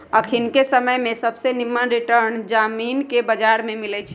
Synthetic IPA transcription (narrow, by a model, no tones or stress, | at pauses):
əkʰinkesəməjmẽsəbʱsenimːənɾiʈəɾnd͡ʒaminkebəd͡ʒaɾmemilɛt͡ʃʰ